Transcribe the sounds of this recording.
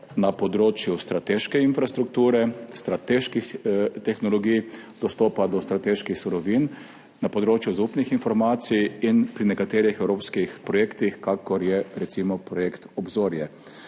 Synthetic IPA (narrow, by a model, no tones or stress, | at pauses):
napɔd̪ɾoːt͡ʃjust̪ɾat̪eʃkɛinfɾast̪ɾuk̚t̪uːɾɛst̪ɾat̪eːʃkixt̪ɛxnɔlɔɡijd̪̥ɔst̪ɔːpad̪ɔst̪ɾat̪eːʃkixsuɾɔʋin | napɔd̪ɾoːt͡ʃjuzaupnixinfɔɾmaːt̪sijinpɾinɛkat̪eːɾixɛwɾoːpskixpɾɔjekt̪ixkakɔɾjɛɾɛt̪simɔpɾɔjeːkt̪ɔbzoːɾjɛ